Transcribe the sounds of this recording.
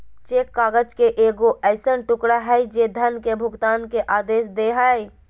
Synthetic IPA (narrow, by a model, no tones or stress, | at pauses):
t͡ʃeːkːaːɡəd͡ʒkeʔeːɡoʔɛːɪsənʈʊkɽaɦɛd͡ʒed̪ʱənkebʱʊɡt̪aːnkeʔaːd̪eːsd̪eːɦaːe